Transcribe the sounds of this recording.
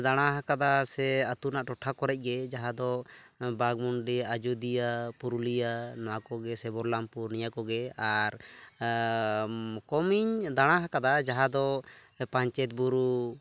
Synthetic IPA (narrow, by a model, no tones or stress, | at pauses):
d̪aɽ̃aɦakad̪asɛat̪unaʔʈɔʈʰakɔɾɛc̚ˀɡɛd͡ʒaɦad̪ɔbaɡmuɳɖiad͡ʒud̪ijapuɾulijanɔwakɔɡɛsɛbɔɾlampuɾnijakɔɡɛaɾ | kɔmiɲd̪aɽ̃aɦakad̪ad͡ʒaɦad̪ɔpãɲt͡ʃɛt̪̚buɾu